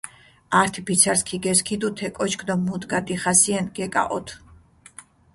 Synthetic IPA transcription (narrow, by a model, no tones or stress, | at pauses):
aɾt̪ʰipʰit̪sʰaɾskʰiɡɛskʰid̪ut̪ʰɛkʼɔt͡ʃʰkʰd̪ɔmud̪ɡad̪iχasiɛnɡɛkʼa̰ʔɔt̪ʰ